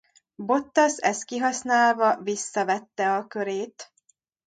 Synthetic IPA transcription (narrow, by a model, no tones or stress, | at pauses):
bo̞t̪ːɒsɛst̪̚kiɦɒsnaːlvɒvisːɒvɛt̪ːɛɒkøɾeːt̪